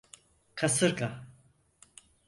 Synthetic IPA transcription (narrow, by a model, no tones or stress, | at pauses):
kʰasɨɾka